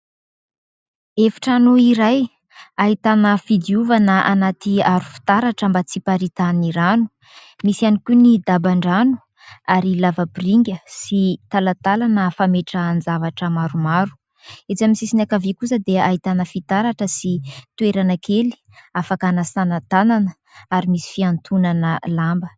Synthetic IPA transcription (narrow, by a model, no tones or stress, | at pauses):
efi̥ʈ͡ʂanoiɾaj | aɦit̪anəfid̪iuvanəʔanat̪iaɾu̥fi̥t̪aɾaʈ͡ʂəmbat͡sipaɾit̪aniɾanu̥ | misianikʲunid̪abaɳɖ͡ʐanu̥ | aɾilavəbiriŋɡʲəsit̪alat̪alanəfameʈ͡ʂəːnd͡zavaʈ͡ʂəmaɾumaɾu̥ | et͡samisisinakavikusəd̪eaɦit̪anəfit̪aɾaʈ͡ʂəsit̪ueɾanəkʰeli̥ | afakanəsanat̪ananə | aɾimisi̥fiant̪ʰunanəlambə